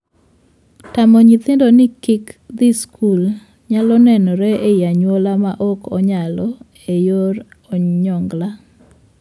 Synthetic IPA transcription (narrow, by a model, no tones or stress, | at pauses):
tamɔɲit̪endonɪkɪkd̪iskʰul | ɲalɔnɛnɔɾɛʔejaɲwolamaʔɔkɔɲalɔ | ejoɾɔɲɔŋɡla